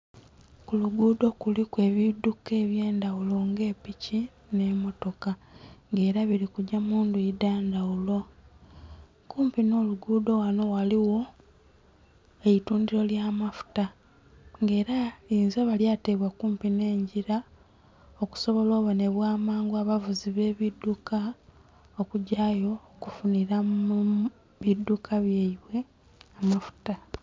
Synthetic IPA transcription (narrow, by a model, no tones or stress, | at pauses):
kuluɡuːdo̞kulikwe̞ːβiduke̞ːβje̞ːndawulo̞ŋɡe̞ːpici | ne̞mo̞to̞kaŋɡe̞ːɾaβiɾikuɟamuːnduidaːndawulo̞ | kuːmpino̞ːluɡuːdo̞wano̞waliwo̞ | eituːndiɾo̞ljamafu̥ta | ŋɡe̞ːɾaiːnzeβaljateβwakuːmpine̞ːɲɟiɾa | oku̥so̞βo̞lo̞ːβo̞ne̞βwaːmaːŋɡuaβavuziβe̞ːβidːuka | okuɟaːjo̞ːkufuniɾau | βidːukʰaβjeiβwe̞ | amafu̥ta